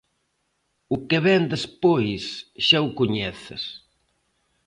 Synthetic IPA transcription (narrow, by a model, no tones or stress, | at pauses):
ʊkeβɛnd̪espojsʃawkʊɲɛθɪs